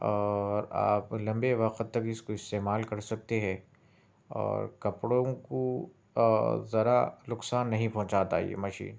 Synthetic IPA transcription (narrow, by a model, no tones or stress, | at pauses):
ɔːɾa̰ːplɐ̃mbeʋɐqt̪ːɐkɪskoɪst̪eːmaːlkɐɾsɐk̚t̪eɦɛ̃ | ɔ̰ːɾkɐpɽõko | zɐɾalʊksaːnːɐɦĩpɔ̃ɦt͡ʃaːt̪a̰ːḭḛmɐʃḭːn